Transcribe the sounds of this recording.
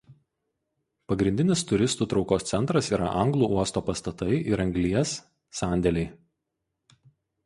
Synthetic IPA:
pɐɡɾʲɪnʲd̪ʲɪnʲɪst̪ʊɾʲɪst̪uːt̪ɾɒʊkoːst̪sʲɛnt̪ɾɐsiːɾɐ̰ʔɐŋɡlˠuːˑuɔst̪oːpɐst̪ɐt̪ɐɪʔɪɾɐŋʲɡlʲiɛsː | ɑˑnʲd̪ʲɛlʲɛɪ

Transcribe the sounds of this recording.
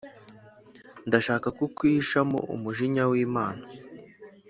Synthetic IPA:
ndaʃaːkakukwiːʃamo̰ʔṵmuʒiɲawiːmaːna

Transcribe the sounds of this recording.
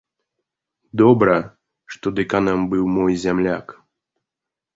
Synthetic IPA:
d̪ɔbɾɐ | ʂt̪ɔd̪ɨkanɐmbɨwmɔjzʲamlʲak

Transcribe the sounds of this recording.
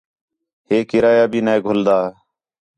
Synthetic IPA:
heːkɪɾaːjaːbʱiːneːɡʱʊld̪aː

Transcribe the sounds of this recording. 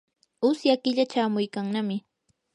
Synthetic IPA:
ʊsjakɪʎat͡ʃaːmʊjkaŋnamɪ

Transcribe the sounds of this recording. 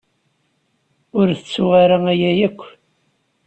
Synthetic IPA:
ʊɾθət͡sːuʁaɾaæjæjækʷː

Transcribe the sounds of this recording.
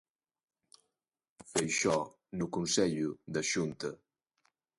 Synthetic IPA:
fejʃɔ | nukunsɛʎud̪ɐʃunt̪ɐ

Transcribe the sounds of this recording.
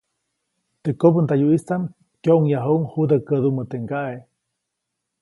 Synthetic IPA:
t̪əkopənt̪ajuist̪am | kjoʔuŋjaɦouŋhud̪əkəd̪umət̪eŋɡaʔe

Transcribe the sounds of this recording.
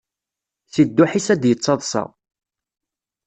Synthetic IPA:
θid̪ːʊħisæd̪jət͡sːɑðˤsɑ̰ʁ

